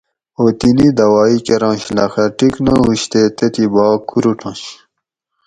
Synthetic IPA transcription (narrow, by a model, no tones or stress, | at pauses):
oːt̪inid̪ɐwaːikeɾɑ̃ːɕlɐxɐʈiknɐɦuɕt̪et̪et̪ibɑːkʰːuɾuʈʰɑ̃ːɕ